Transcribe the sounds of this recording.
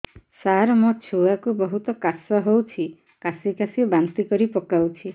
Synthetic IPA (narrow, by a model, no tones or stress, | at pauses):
saɦɾɔmɔt͡ʃʰuakubɔɦut̪ɔkasɔɦowt͡ʃʰi | kasikasibant̪ikɔɾipɔkawt͡ʃʰi